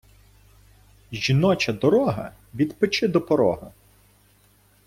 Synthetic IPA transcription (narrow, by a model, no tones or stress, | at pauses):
ʒʲinɔt͡ʃɐd̪ɔɾɔɦɐ̰ | ʋʲid̪pɪt͡ʃɪd̪ɔpɔɾɔ̰ɦɐ̰